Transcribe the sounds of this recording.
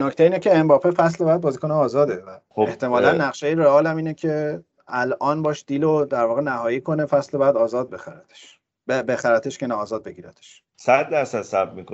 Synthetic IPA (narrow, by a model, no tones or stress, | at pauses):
nocʰt̪eiːnecʰe̞ːmbɒːpʰefæslbɒjæd̪̚bɒːzikoneɒːzɒːd̪e̞væoeht̪ʰe̞mɒːlænːæɣʃejeɾeɒːlæmiːnecʰe | ælʔɒːnbɒːʃd̪̥iːlod̪æɾvɒːɣe̞næhɒːjiːkʰo̞ne̞fæslebɒjæd̪ɒːzɒːd̪̚be̞xæɾæt̪ʰe̥ʃ | bebe̞xæɾæt̪ʰeʃcʰenæɒːzɒːd̪̚be̞ɟiːɾæ̰t̪ʰe̥ʃ | sæd̪ːæɾsæd̪̥sæbmiko